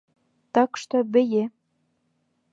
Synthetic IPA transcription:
t̪ɑkʃt̪obɘ̆je

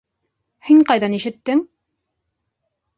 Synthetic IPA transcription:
hiŋqɑjðɑniʃɘ̆t̪ːɘŋ

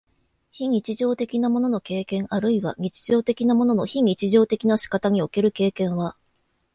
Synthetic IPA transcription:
çiɲ̟it͡ɕiʑo̞ːt̪e̞kʲinamo̞no̞no̞ke̞ːkẽ̞ŋʔaɾɯ̟iβa̰ɲ̟it͡ɕi̥ʑo̞ːt̪e̞kʲinamo̞no̞no̞çiɲ̟it͡ɕiʑo̞ːt̪e̞kʲinaɕi̥kat̪aɲ̟io̞ke̞ɾɯ̟ke̞ːkẽ̞ɰ̃βa

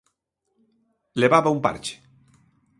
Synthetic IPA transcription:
leβaβaumpa̰ɾt͡ʃe̥

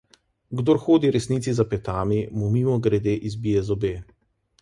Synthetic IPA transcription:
ɡd̪oːɾxoːd̪iɾɛsniːt̪sizapɛt̪aːmimumiːmɔɡɾɛd̪eːʔizbiːjɛzɔbeː

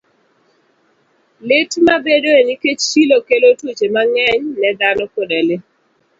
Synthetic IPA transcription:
letmabedoeniket͡ʃt͡ʃilokelotwut͡ʃemaŋɛɲnɛd̪anɔkodɛlɪ

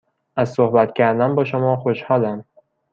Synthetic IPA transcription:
ʔæzsohbæt̪cʲʰæɾd̪ænbɒːʃomɒːxoʃhɒːlæm

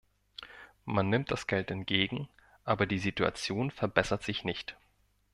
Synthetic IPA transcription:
manːɪmt̚d̥asɡ̥ɛltɛntɡ̥eːɡŋ̩ | ʔaːbɐdiːzitua̰t͡sjoːnfɛɐbɛsɐtz̥ɪçnɪçt

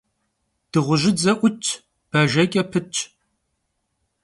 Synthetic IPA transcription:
d̥ɨʁʷʊʒɪd͡zɐʔʷʊt͡ʃʰʼ | b̥ɐʒɐkʲʼɐpʰɨt͡ʃʼʰ

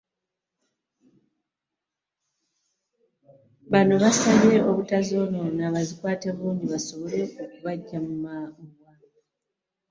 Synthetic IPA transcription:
βano̞βasaβe̞oβutazo̞no̞naβazikwaːte̞βuːndiβaso̞βo̞le̞okuβaɟːamumaɡwa

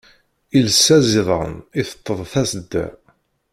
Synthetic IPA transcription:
ilsːæziðˤəʁə̰niθə̥t̪ˤːəðˤθæsəd̪ːæ̰

